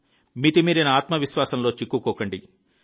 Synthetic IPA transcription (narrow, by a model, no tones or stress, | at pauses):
mit̪imiːɾinɐaːt̪mɐʋiʃʋaːsɐnlo̞ːt͡ʃikːukɔːkɐɳɖi